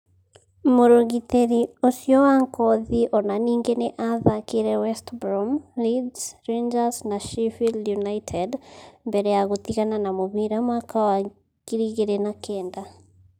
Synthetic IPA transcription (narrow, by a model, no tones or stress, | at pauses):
moɾoɣiteɾiosjɔwaŋkɔðiʔɔnaniːŋɡeneʔaðakeɾɛwɛstbɾɔmlidsɾend͡ʒasnaʃifiljunaitʰɛdmbɛɾɛjaɣot̪iɣananamoβiɾamwakawa | kiɾiɣeɾɛnakʰɛːnda